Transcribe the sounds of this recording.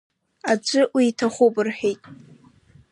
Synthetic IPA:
ad͡ʒʷʼɨwiːtʰaχʷʊpʼɨrħᶣejtʼ

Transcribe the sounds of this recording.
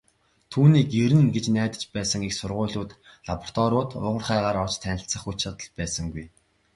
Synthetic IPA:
t̪ʰuːniːkeɾɘ̆nɡet͡ɕnæːt̪ə̥̆t͡ɕpæːsə̆ŋiksʊrʁʊːɮuːt̪ɮapɔ̥r̥t̪ɔɾʊːt̪ʰʊ̰ʁə̆rχæːʁaːɾɔt͡ɕt̪ʰːænʲɪ̆ɬt͡sə̆χut͡ɕăt̪ə̆ɮpæːsə̆ŋɡuj

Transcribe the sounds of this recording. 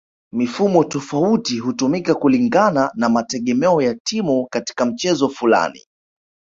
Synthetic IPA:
mifumɔtɔfautiɦutumikakuliŋɡananamatɛɠɛmɛɔjatimukati̥kam̩t͡ʃɛzɔfula̰nḭ

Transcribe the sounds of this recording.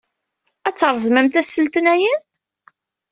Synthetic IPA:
æt͡sːəɾˤzˤməmt̪æsːəlt̪ənæjən

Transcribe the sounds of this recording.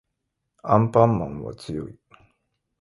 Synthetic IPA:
ãmpãmːã̰ŋ̃βa̰t͡sɨjo̰i

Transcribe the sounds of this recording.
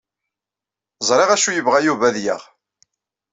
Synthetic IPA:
zˤɾˤeʁæʃujəvʁæjuvæðjə̰ʁ

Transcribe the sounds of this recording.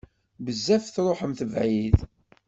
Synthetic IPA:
bəzːæfθɾˤoħəmθəvʕið

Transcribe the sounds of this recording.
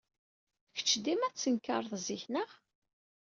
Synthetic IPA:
çə̥t͡ʃːd̪imæt͡sːənkːəɾˤðˤziçnəʁ

